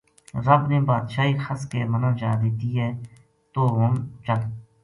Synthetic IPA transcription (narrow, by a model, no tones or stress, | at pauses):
ɾəbneːbaːd̪ʃaːiːxʰəskeːmənãːd͡ʒaːd̪eːt̪iːɦɛː | t̪oːɦʊnt͡ʃəl